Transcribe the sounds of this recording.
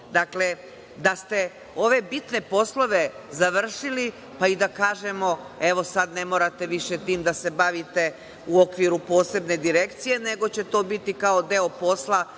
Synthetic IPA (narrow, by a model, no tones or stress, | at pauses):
d̪akle̞ | d̪ast̪e̞ | o̞ʋe̞bit̪ne̞po̞slˠo̞ʋe̞zaʋr̩ʃili | paid̪akaːʒe̞mo̞eʋo̞sad̪ne̞moɾat̪e̞ʋiʃe̞t̪iːmd̪ase̞baʋit̪e̞ | uokʋiɾupo̞ːse̞bne̞d̪iɾe̞kt̪sije̞ne̞ɡo̞t͡ɕe̞t̪o̞ːbit̪ikao̞d̪e̞opo̞slˠa